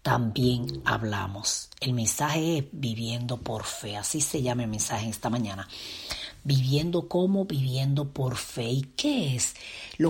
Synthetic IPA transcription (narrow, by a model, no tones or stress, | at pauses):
t̪a̰mbje̞ŋa̰βla̰mose̞lmẽ̞nsaɦe̞esbiβje̞nd̪o̞po̞ɾfe̞asise̞ʝamemẽ̞nsaheŋest̪amãɲãna | biβje̞nd̪o̞ko̞mo̞βiβje̞nd̪o̞po̞ɾfe̞ikeeslo